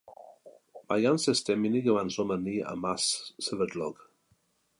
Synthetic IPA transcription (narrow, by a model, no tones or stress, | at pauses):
majansɪstɛmɪniɡəwansɔməniːa̰masːəvədlɔɡ̥